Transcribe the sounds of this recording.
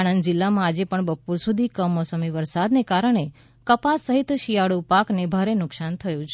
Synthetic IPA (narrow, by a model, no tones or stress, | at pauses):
aɽ̃ənd̪d͡ʒɪlːamãad͡ʒepəɳbəpuɾsud̪ʱikəmɔsəmiʋəɾsad̪nekaɾəɳ̃e | kəpasːəɦit̪ʃijaɽupaknebʱaɾenʊksant̪ʰəjũt͡ʃʰ